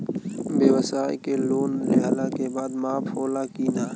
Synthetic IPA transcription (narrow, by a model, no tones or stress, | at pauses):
beːʋəsaːjkeloːnlɪɦaːlaːkebaːd̪mãːpʰoːlaːkiːnaː